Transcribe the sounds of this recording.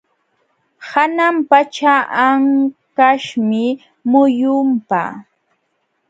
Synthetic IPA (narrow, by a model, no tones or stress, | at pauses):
hanampat͡ʃaʔaŋkaʃmɪ | mʊjʊmpa̰